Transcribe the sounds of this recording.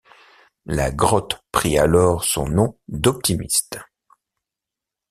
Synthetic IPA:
la̰ɡʁɔt̪pχialɔʁsɔ̰̃nɔ̃d̪ɔp̚t̪imist̪

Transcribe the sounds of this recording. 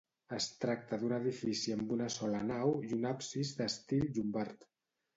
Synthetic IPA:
əst̪ɾak̚t̪əðunəðifisiəmbunəsɔlənawjunapsizðəst̪ilʒumbaɾt̪

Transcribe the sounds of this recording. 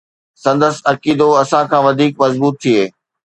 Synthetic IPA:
sɐ̃nd̪əsɐkiːd̪oɐsãkʰãːʋɐd̪ʱiːk̚mɐzbuːt̪̚ʰːieː

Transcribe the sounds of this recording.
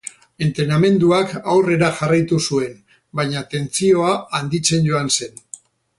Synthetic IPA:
e̞nt̪ɾename̞nd̪uakawre̞ɾaʝarajt̪usue̞n | bajɲat̪e̞nt͡sio̞aːnd̪it͡se̞nɟo̞anse̞n

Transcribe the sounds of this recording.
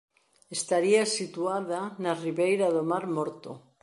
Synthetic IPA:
est̪aɾiasit̪uaðanariβejɾaðomaɾmoɾt̪o̰

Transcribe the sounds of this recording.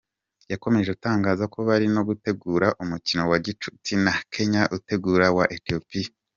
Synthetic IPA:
jako̞me̞ʒeutaːŋɡaːzako̞βaɾino̞ɡute̞ɡuːɾaʔumucino̞waɟit͡ʃu̥tinakʰe̞ɲaʔute̞ɡuːɾawaʔetio̞pia

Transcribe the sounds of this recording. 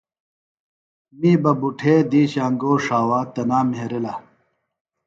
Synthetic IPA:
miːbɐbuʈʰeːd̪iːɕaːŋɡoːʂaːwaːt̪ɐnaːmeɦeɾela

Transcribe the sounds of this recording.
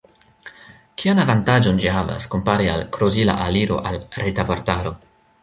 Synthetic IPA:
kʰianavantad͡ʒo̞nd͡ʒihava̰sko̞mpaɾia̰lkɾozila̰ʔaliɾo̞̰ʔalɾetavoɾtaɾo̞

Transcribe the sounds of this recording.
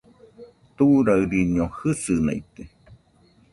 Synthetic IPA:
t̪uɾaɨɾiɲiohɨsɨna̰it̪e

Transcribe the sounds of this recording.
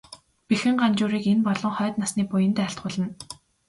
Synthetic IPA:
pixɘ̆ŋɢant͡ɕʊːɾiːkenpɔɮɞ̆ŋχœːt̪nasniːpʊjə̆nt̪æːɬt̪̚ɢʊːɮə̆n

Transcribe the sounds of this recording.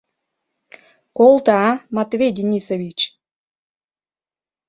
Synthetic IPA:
kolˠt̪ɑɑmɑt̪vʲejd̪ʲinʲisovʲit͡ɕ

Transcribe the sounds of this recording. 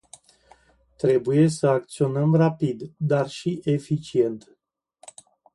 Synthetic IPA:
t̪ɾe̞buje̞səak̚t̪sio̞nəmrapid̪d̪arʃiʔe̞fit͡ʃie̞nt̪

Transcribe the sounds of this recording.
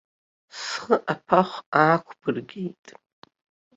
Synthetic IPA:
sχəʔapʰaχʷaːkʷʰbɨrɡʲejtʼ

